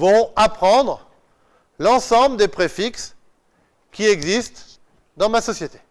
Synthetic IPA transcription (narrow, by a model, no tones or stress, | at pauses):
vɔ̃apχɑ̃d̪ʁ | lɑ̃sɑ̃bləd̪epχefiks | kʲiɛɡzist̪ | d̪ɑ̃masɔsjet̪e̥